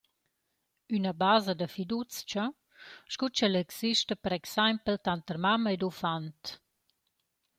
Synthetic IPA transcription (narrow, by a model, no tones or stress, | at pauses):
ynəbazəd̪əfid̪ut͡st͡ʃə | ʃkut͡ʃɛlɛksiʃtəpəɾɛksajmpəlt̪ant̪ərmamedufant̪